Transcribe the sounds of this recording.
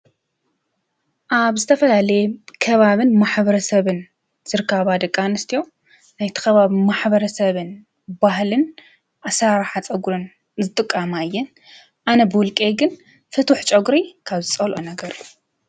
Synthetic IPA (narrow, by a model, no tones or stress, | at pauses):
ʔaβzɨt̪ʰɐfɐlalɐjekʰɐβaβɨnmaħbɐɾɐsɐβɨn | z̥ɨɾɨkʰːaβad̪ɐkʼːanɨst̪ʰijo̞ | najt̪ʰɐ̥xɐβaβimaħbɐɾɐsɐβɨn | bahlɨn | ʔasaɾaħat͡sʼɐɡɾɨn | zɨt̪ʼɨkʼːamaɨjːɛn | ʔanɐbɨwʊlkʼeɡɨn | fɨt̪ʰuħt͡ʃʼɐɡɾikʰaβzɨt͡sʼɐlʔonɐɡɐɾɨjːu